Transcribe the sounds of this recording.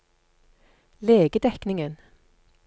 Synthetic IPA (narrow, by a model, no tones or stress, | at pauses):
leːɡəd̪ɛknɪŋən